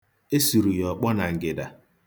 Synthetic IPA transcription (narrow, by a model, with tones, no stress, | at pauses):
e˦su˨ɾu˨jɔ˨k͡pɔ˦na˨ŋ̩˨ɡɪ˨da˨